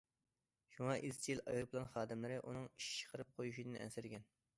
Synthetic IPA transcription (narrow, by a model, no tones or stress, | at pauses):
ʃuŋɑʔizt͡ʃʰijilɑ̰jɑplˠɑnχɑːd̪ɨmlɨɾɪʔunɨŋiʃi̥t͡ʃʰə̥qʰəɾɨp̚qʰojuʃid̪ɨnʔɛ̰nsɪɾɡʲɛn